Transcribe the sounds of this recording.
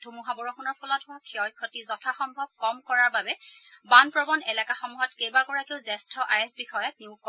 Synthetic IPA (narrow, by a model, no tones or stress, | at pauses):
d̥ʱumuɦabɔɹɔxunɔɹpʰɔlɔtɦʊakʰiɔjkʰɔtizɔtʰaxɔmbʱɔb̚kɔmkɔɹaɹbabɛbanpɹɔbɔnɛlakaxɔmuɦɔtkejbakɔɹakeʊzɛstʰɔʔajɛsbixɔjɔtniukːɔ